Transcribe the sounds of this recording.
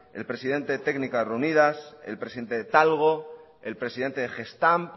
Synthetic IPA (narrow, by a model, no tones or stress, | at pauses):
e̞lpɾe̞siðe̞nt̪e̞ðet̪eɡnikasre̞unið̞ase̞lpɾesiðe̞nt̪e̞ðet̪alɣ̞o̞ | e̞lpɾe̞siðe̞nt̪e̞ðexe̞st̪amp